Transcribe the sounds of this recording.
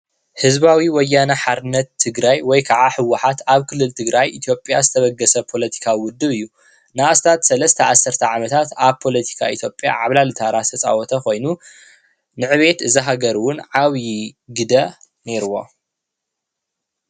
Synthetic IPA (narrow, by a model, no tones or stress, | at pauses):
hɨzβawiwɔjːanɐħaɾɨnɐt̪ʰːɨɡɾajwɔjkʰaʕaħɨwːaħat̪aβkʰɨlːɨlt̪ʰɨɡɾajʔit̪ʰjo̞pʼːjazɨt̪ʰɐβɐɡːɐsɐpʰo̞lɐt̪ʰi̥kʰawiwʊd̪ːɨβɨjːu | naast̪ʰat̪sɐlɐst̪ʰɐʔasːɐɾt̪ʰɐʕamɐt̪ʰat̪aβpʰo̞lɐt̪ʰi̥kʰait̪ʰjo̞pʼja̰ʕaβlalɨt̪ʰaɾast̪ʰɐt͡sʼa̰wɔt̪ʰɐxo̞jnu | nɨʕɨβe̞t̪ɨzɐɦaɡɐɾwʊnʕaβjiɡɨd̪ɐ | ne̞ɾɨwo̞̰